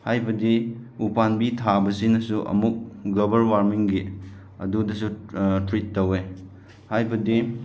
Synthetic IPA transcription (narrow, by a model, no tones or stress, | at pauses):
hajbɐdiupanbitʰabɐsinɐsuʔɐ̰muk̚ɡlobɐɾwaɾmiŋɡi | ɐ̰dudɐsutɾitːɐwe | hajbɐdi